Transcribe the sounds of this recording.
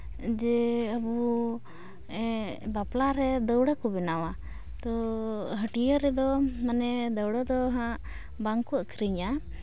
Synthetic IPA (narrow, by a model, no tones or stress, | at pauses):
d͡ʒɛəbu | ɛbaplaɾɛd̪əwɽakɔbɛnawa | t̪ɔɦəʈijəɾɛd̪ɔmanɛd̪əwɽad̪ɔɦãʔ | baŋkɔəkʰɾiɲa